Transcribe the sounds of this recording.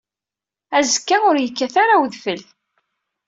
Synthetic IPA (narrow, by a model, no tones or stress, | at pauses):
æzəkːaʊɾjəkːæθaɾawðfəl